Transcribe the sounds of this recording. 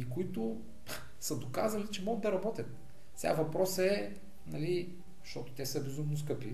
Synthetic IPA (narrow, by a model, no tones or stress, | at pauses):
ikoit̪ʊ | səd̪okazɐlit͡ʃɛmɔɡəd̪ɐɾɐbɔt̪ʲət̪̚ | sʲɛa̰vɐpɾɔsɛ | nɐli | ʃt̪ɔt̪ʊ̥t̪ɛsəbɛzumnʊs̬kɤpi